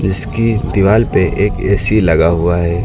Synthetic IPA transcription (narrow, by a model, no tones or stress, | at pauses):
d͡ʒɪskid̪iʋaːlpeʔeːkɛːsilɐɡaɦʊaɦɛː